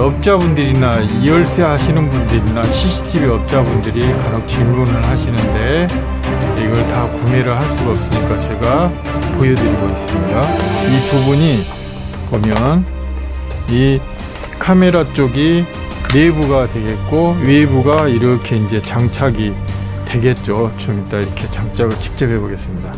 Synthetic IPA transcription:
ʌp̚t͡ɕ͈abundɯɾinaiʌɭs͈eɦaɕʰinɯnbundɯɾinaɕʰiɕʰi̥tʰibiʌp̚t͡ɕ͈abundɯɾikanʌk̚t͡ɕ͈immunɯɭɦaɕʰinɯnde̞ | eɡʌɭtakume̞ɾɯɭhaɭs͈uɡaʌp̚s͈ɯɲik͈at͡ɕe̞ɡa | pojʌdɯɾiɡois͈ɯmɲidaipubuɲi | komjʌn | i | kʰame̞ɾat͡ɕ͈oɡi | ne̞buɡadwe̞ɡe̞t̚k͈oɥebuɡaiɾʌkʰe̞ind͡ʑe̞t͡ɕaŋt͡ɕʰaɡi | twe̞ɡe̞t̚t͡ɕ͈ot͡ɕomit͈aiɾʌkʰe̞t͡ɕaŋt͡ɕ͈ʰaɡɯɭt͡ɕʰɯ̥k̚t͡ɕ͈ʌpʰɦe̞boɡe̞s͈ɯmɲida

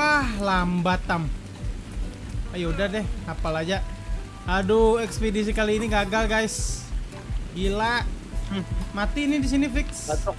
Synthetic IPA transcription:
ahlambat̪am | ajaudahdɛhapalad͡ʒa | aduɛkspedis̬ikaliːniɡaɡalɡajs | ɡilaʔ | mat̪iːnidis̬inifɪks

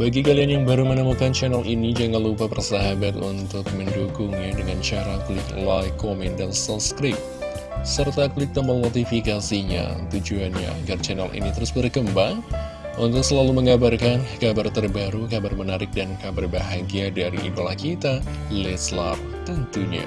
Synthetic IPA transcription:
baɡikalianjaŋbaɾumənəmukant͡ʃɛnɛlʔinid͡ʒaŋanlupapərsaɦabat̪ṵnt̪ʊk̚məndukuŋidəŋant͡ʃaɾaklɪklajkomɛndansɔskɾɪp̚ | sərt̪aklɪk̚t̪əməlnot̪ifikasiɲa̰t̪ud͡ʒuanɲa̰a̰ɡart͡ʃɛnɛlʔḭnit̪əɾʊsbərkəmbaŋ | unt̪ʊk̚səlaluməŋabarkankabart̪ərbaɾukabarmənaɾɪk̚dankabarbaɦaɡiadaɾḭḭdolahkit̪a | lɛsla̰p̚t̪ənt̪uɲa̰

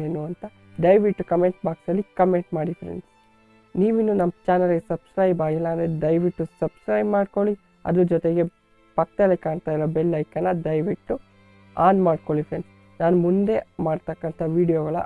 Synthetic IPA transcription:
eːnuɐnt̪ɐ | ɖ̪ɐjʋiʈːukɐme̞ɳʈbaːksɐlːikɐme̞ɳʈmaːɽifɾḛɳs | niːʋinːunɐmːt͡ʃaːnɐlɡesɐbskɾɐjbaːɡilːɐːnd̪ɾed̪ɐjʋiʈːussɐbskɾɐjbmaːɽko̞ɭi | ɐ̰d̪ud͡ʒɔt̪eɡe̞ | pɐk̚ːd̪ɐlːekaːɳt̪aːjlɐbelːɐjkɐnːɐd̪ɐjʋiʈːu | aːnmaːɖkoɭifɾens | naːnumund̪e̞maːɖt̪ɐkːɐnt̪ʰɐʋiːɖijoːɡɐɭɐ̰

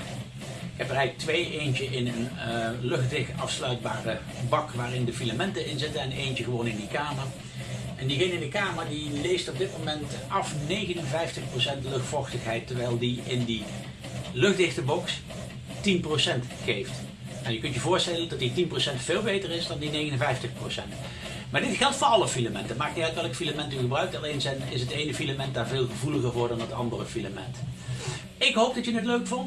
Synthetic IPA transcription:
ɪkɦɛpərɛjɣlək̚tʋejejnt͡ʃəɪnənlɵχdɪxtɑfslœɥd̚baːrə | bɑkʋaːrɪndəfilamɛntəɪnzɪtənɛnejnt͡ʃəɣəʋownɪndikaːməɹ | ɛndiɣɪnɪndəkaːməɹdilejstɔb̚dɪt̚momɛntɑfnejɣənənvɛjftəχprosɛntlɵxtfɔxtəxɦɛjtəɹʋɛjlˠdiɪndi | lɵχdɪxtəbɔks | tinprosɛnt | χejft | ɛnjəkɵntjəvʊːɹstɛləndɑtitinprowsɛntfeːlˠbejtərɪsdɑndinejɣənənvɛjftəxprosɛnt | maːɹdɪtxɛlˠtfʊːɹɑləfilamɛntəmaːk̚ɛɣləkɛlˠkəfilamɛntəɣəbrœɥk̚tɑlensɛnɪsɦətejnəfilamɛnt̚daːɹveːlˠɣəvuləɣəɹvʊːɹdɑnətɑ̰ndərəfilamɛ̰nt | ɪkɦowp̚dɑtjənətløɥkfɔnt

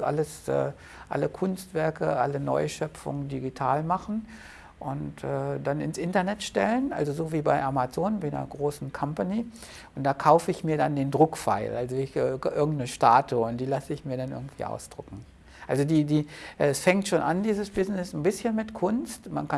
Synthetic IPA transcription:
ʔa̰ləsʔɛ̰ː | ʔa̰ləkʰʊnstv̥ɛɐkəʔa̰lənɔ̰ʏʃœpp͡fʊ̰ŋdiɡitʰaːlmaχn̩ | ʔʊntʔɛːdanɪ̰nsʔɪntɐnɛtʃtɛ̰lənʔa̰lzozoːviːbaɪʔamat͡soːnbaɪnɐ̰ɡʁoːsn̩kʰɔmpani | ʔʊnt̚d̥aːkʰaʊfəɪçmiːɐdandeːndʁʊkfa̰ɪlʔalzoɪçʔɪɐɡŋ̩tnəʃta̰ːtuʊntd̥iːlasəɪçmiːɐɾanʔɪ̰ɐɡŋ̩tv̥ḭːʔa̰ʊsd̥ʁʊkŋ̩ | ʔalzodiːdiːʔɛɛsfɛŋtʃoːnʔandiːzəsb̥ɪznɪsn̩bɪsçənmɪtkʰʊnstma̰nka

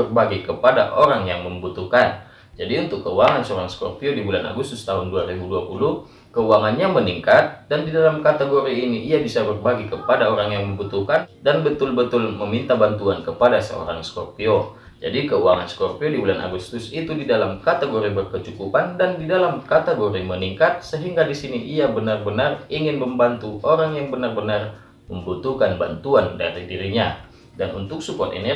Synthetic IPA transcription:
bərbaɡikəpada̰ʔoɾaŋjaŋməmbut̪uhkan | d͡ʒadiunt̪ʊkːəuwaŋansəoɾaŋsko̰rpiodibulana̰ɡust̪ʊst̪aɦʊnduaɾibuduapulʊh | kəuwaŋanɲaməniŋkat̪̚dandidalamkat̪eɡoɾiːniʔiabisabərbaɡikəpadaoɾaŋjaŋməmbut̪uhkandanbət̪ʊlbət̪ʊlməmint̪abant̪uankəpadasə̰o̰ɾa̰ŋskorpio | d͡ʒa̰dikəuaŋa̰nskɔrpiodibulanʔa̰ɡust̪ʊsit̪udidalamkat̪eɡoɾibərkət͡ʃukupandandidalamkat̪eɡoɾiməniŋkat̪̚səɦiŋɡadisiniʔiabənarbənariŋɪnməmbant̪uʔoɾaŋjaŋbənarbənar | məmbut̪ukanba̰nt̪uanda̰t̪adiɾiɲa | danunt̪ʊk̚supɔt̪ḭnɛ

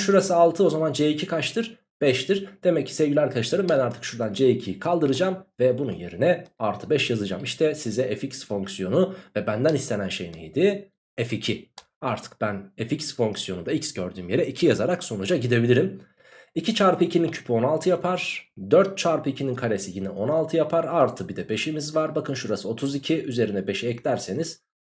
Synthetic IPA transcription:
ʃuɾasaalˠt̪ʰɯo̞zamand͡ʒeːicʰikʰat͡ʃt̪ʰɯɾ | b̥ɛʃt̪ʰiɾd̪̥e̞mɛc̚ʰːi̥sɛvɟilʲæɾkʰaɾɯʃlˠaɾɯmbænaɾt̪ʰɯ̥kʃuɾd̪and͡ʒeicʰijikʰalˠd̪ɯɾɯd͡ʒamvɛbununje̞̰ɾinɛalˠt̪ʰɯbɛʃjazɯd͡ʒa̰miʃt̪ʰɛsizɛeficsfo̞ŋksijo̞nuvɛbænd̪ænist̪e̞nænʃe̞jinḛjid̪i | eficʰi | aɾt̪ʰɯ̥k̚b̥æneficsfo̞ŋksjo̞und̪aicsɟøɾd̪yːmje̞ɾɛicʰijazaɾakso̞nud͡ʒaɟid̪e̞bilʲiɾim | icʰit͡ʃʰaɾpʰɯicʰinincʰy̥pʰyo̞nalˠt̪ʰɯjapʰaɾ̥d̪øɾt̪̚t͡ʃʰaɾpɯicʰininkʰaɾesijinɛʔo̞nalˠt̪ʰɯjapʰaɾaɾt̪ʰɯbid̪ɛbe̞ʃimizvaɾbakʰɯnʃuɾasɯo̞t̪ʰuzicʰiyze̞ɾinɛbeʃiɛclʲæɾse̞niz̥

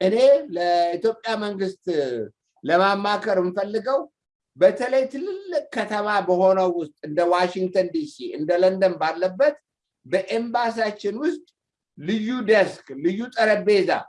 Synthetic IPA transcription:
ʔɨne̞ləit̪jo̞pʼːjaməŋɡɨst̪ʼ | ləmamːakʰəɾmɨnfəlːɨɡəw | bət̪ʰələjt̪ʰɨlɨlːɨkʼkʰːət̪ʰəmabəho̞nəwːʊst̪ʼɨnd̪əwaʃiŋɡ̚t̪ʰənd̪isiʔɨnd̪ələnd̪ənbalːəbːət̪ | bəʔe̞mbas̬at͡ʃːɪnwʊst̪ʼ | lɨjːud̪əsklɨjːut̪ʼəɾəbe̞za̰

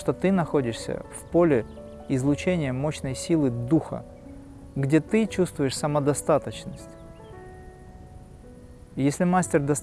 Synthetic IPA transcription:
ʂt̪ot̪ɨnɐxo̞dʲɪʂsʲə̰fpo̞lʲɪ | ɪzlˠʊt͡ɕenʲɪjəmoɕnəjsʲilˠɨd̪uxə̰ | ɡdʲet̪ɨt͡ɕust̪vʊjɪʂsəməd̪ɐst̪at̪ət͡ɕnəsʲtʲ | jesʲlʲɪmasʲtʲɪrd̪ɐs

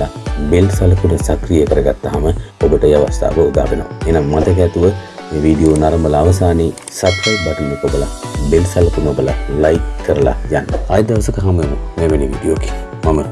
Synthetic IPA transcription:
abelsaləkunəsakrijəkəɾəɡat̪ːaɦaməobəʈəeaʋast̪ʰa̰ːʋəud̪a̰ːpeno̰ʋaeːnaŋmat̪ək̬ɛt̪uʋə | eːʋiːɖijoːnaɾɐmbəlaaʋəsaːneː | sabkajp̚baʈinːukobəlabelsalɐkunəobəla̰lajkkːəɾəla̰d͡ʒanːo̰ajd̪eʋɐsəkəɦaməeno̰neʋeniʋḭːdijoːke̥ | mamə

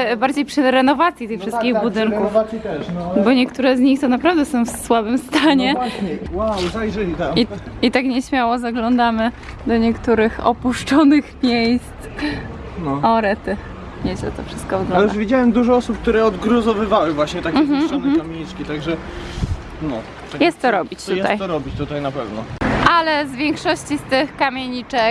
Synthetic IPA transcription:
baɾd͡ʑejpʂɘɾɛnɔvat̪sʲjit̪ɛjfʂɨst̪kʲiɣbbud̪ɘŋkkuft̪ɛbɔɲɛkt̪uɾɛzɲixt̪ɔnapɾavd̪ɛsɔ̃w̃fsswabɘmst̪aɲɛwawzajʐɛlit̪amiit̪akɲɛɕmʲjawɔzaɡlɔnd̪amɘ | d̪ɔɲɛkt̪uɾɘxɔ̰puʂt͡ʂɔnɘxmʲjejst̪ | nɔɔɾɛt̪ɘx | ɲɛɕɛt̪ɔfʂɨst̪kɔvɡlɔ̃nlɛjudaʂvʲid͡ʑawɛmd̪uʐɔɔsup̚k̚t̪uɾɛɔd̪ɡɾuzɔvɘvawɘvwaɕɲɛt̪akʲːɦm̩ɔn̩kamʲeɲit͡ʂkʲit̪aɡʐɛ | nɔ | jɛst̪ːɔɾɔbʲit͡ɕt̪ujɛsa̰j̪ɔɾɔbʲit͡ɕt̪ut̪ajnapɛvnɔʔalɛzvʲjɛŋkʂɔɕt͡ɕist̪ɪxkamʲjeɲit͡ʂɛk

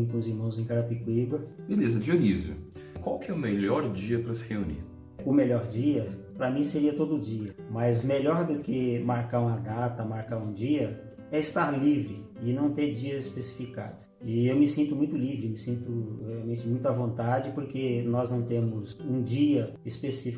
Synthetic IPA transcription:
kũziɾmɐ̃w̃zẽj̃kaɾɐpikwibɐbelezɐd͡ʒionizjʊ̰kwawkɪɛʊmeʎɔɾd͡ʒiɐpɾɐsɪheunḭɾ | ʊmeʎɔɾd͡ʒiɐpɾɐmĩseɾiɐt̪od̪ʊʊd͡ʒiɐmɐzmeʎɔɾd̪ʊkɪmaɾkaɾũmɐd̪at̪ɐmaɾkaɾũd͡ʒiɐ | ɛɪst̪aɾlivɾɪ | ɪnɐ̃w̃t̪eɾd͡ʒiɐespesi̥fika̰d̪ʊ | ɪewmɪsĩnt̪ʊmũj̃t̪ʊlivɾɪmɪsĩnt̪ʊheawmẽnt͡ʃɪmũj̃t̪ʊɐvõnt̪ad͡ʒɪpoɾkenɔznɐ̃w̃t̪ẽmʊzũd͡ʒiɐ | ispesifi

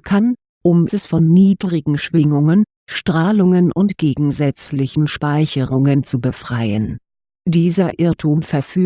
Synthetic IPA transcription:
kʰan | ʔʊmɛsfɔnːiːdʁɪɡŋ̩ʃv̥ɪŋʊŋən | ʃtʁ̥aːlʊŋənʔʊntɡ̥eːɡŋ̩zɛt͡slɪçn̩ʃpaɪçəʁʊŋənt͡subəfʁ̥aɪən | d̥iːzɐʔɪɐtʰuːmfɛɐfyː

